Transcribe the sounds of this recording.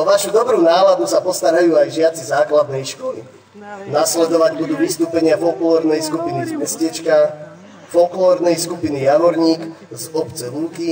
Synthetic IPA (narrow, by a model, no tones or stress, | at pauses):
ʋaʃud̪ɔbɾuːnaːlad̪usapɔst̪aɾajuːajʒɪat͡sizaːklad̪nɛjʃkɔlḭ | naslɛd̪ɔʋaɟbud̪uːʋist̪uːpɛɲɪafɔlklɔːɾnɛjskupinizmɛscɛt͡ʃka | fɔklɔːɾnɛjskupinijamɔɾɲiːk | zɔpt͡sɛʋuːki